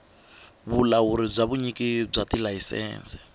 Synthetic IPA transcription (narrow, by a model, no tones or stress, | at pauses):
βulawuɾib͡ʐʷaβuɲikib͡ʐatilaisɛ̰ːnsɛ̥